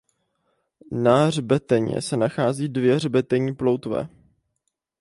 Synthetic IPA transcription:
narbɛt̪ɛɲɛ̰sɛnaxaːziːdvjɛr̝bɛt̪ɛɲiːplowt̪vɛ̰ː

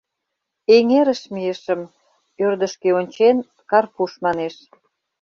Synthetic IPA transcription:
eŋeɾəʃmijə̆ʃəm | ørd̪ə̆ʃkeonʲt͡ɕen | kɑrpuʃmɑneʃ

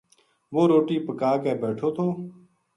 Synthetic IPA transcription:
ʋoːɾoːʈiːpəkaːkɛːbɛːʈʰoːt̪ʰoː

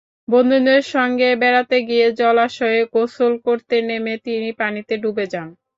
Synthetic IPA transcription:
bond̪ʱoneɾʃɔŋɡebɛɾat̪eɡijed͡ʑɔlaʃɔeɡosolkoɾt̪enemet̪inipanit̪eɖubed͡ʑan

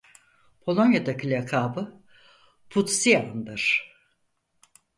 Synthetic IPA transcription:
pʰo̞lˠonjad̪acʰilʲɛkʰaːbɯ | pʰut̪siand̪ɯɾ̥

